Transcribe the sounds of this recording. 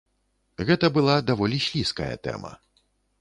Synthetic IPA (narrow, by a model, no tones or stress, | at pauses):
ɣɛt̪ɐbɨlˠad̪avɔlʲiɕʲlʲiskɐjɐ̰t̪ɛ̰mɐ̰